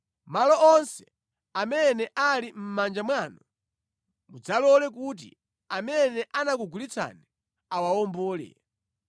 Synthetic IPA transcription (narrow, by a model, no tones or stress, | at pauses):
malɔɔnsɛ | amɛnɛʔalim̩mand͡ʒamwaːnɔ | mud͡zalɔlɛk̬ut̬ḭ | amɛnɛʔanakuɡulit͡sʰa̰nɛ | awaɔmbɔːlɛ̰